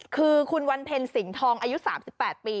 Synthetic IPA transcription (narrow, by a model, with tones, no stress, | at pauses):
kʰɯː˧kʰu˧nwa˧npʰe˧nsi˩˦ŋt̪ʰɔː˧ŋʔaː˧ju˦˥ʔsaː˩˦msi˨˩pːɛː˨˩t̪̚piː˧